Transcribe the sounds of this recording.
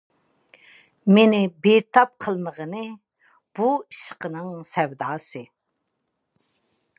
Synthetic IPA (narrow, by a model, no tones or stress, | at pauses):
menɪbet̪ʰɑp̚qʰəlˠməʁənɨ | b̥uiʃqənɨŋsɛwd̪ɑːsɨ